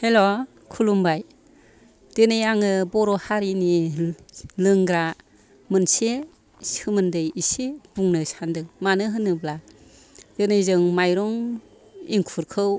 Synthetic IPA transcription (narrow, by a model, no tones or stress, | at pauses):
helɔ | kʰulumbaj | d̥ɯnɯjaŋɯbɔɾɔhaɾini | lɯŋɡɾa | mɯnse | shɯmɯndɯjiseb̥uŋnɯsandɯŋmanɯɦɯnɯbla | dɯnɯjzɯŋmajɾɔŋ | iŋkʰuɾkʰɯw